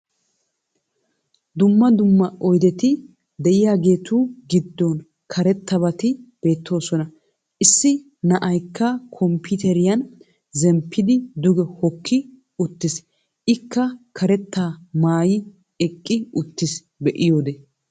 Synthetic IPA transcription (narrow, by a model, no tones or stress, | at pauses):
d̪ʊmːɐd̪ʊmːɐɔjd̪ɛt̪ɪ | d̪ɛʔɪjaːɡe̞ːt̪uːɡɪd̪ːɔn | kʰɐɾɛt̪ːɐbɐt̪ɪb̥e̞ːt̪ːo̞ːsɔnɐ | ʔɪsːɪ | nɐʔɐjkːɐkʰɔmpɪt̪ɛɾɪjɐn | zɛmpʰːɪd̪ɪd̪ʊɡɛhɔkʰːɪ | ʊt̪ːɪs | ʔɪkːɐkʰɐɾɛt̪ːaːmaːjɪ | ɛkʼːɪʊt̪ːɪs | bɛʔɪjoːd̪e